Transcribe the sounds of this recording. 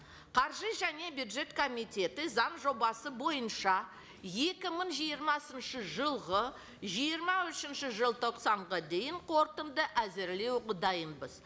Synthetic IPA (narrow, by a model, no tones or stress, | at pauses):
qʰɑɾʒəʒæne̞bjud̪ʒe̞t̪kʰo̞mijt̪ʲe̞t̪ɪzɑɴʒo̞bɑsəbo̞jənʃɑ | je̞kʲɪməɴʒijəɾmɑsənʃəʒəlˠʁə | ʒijəɾmɑʏʃɪnʃɪʒəlˠt̪ʰo̞qsɑɴʁɑd̪e̞jɪɴqʰo̞ɾt̪ənd̪əʔæzɪɾle̞wʁəd̪ɑjənbəz